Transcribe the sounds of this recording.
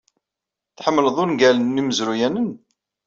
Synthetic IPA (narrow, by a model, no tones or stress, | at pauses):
θħəmːələðˤʊnɡælənːiməzɾujænən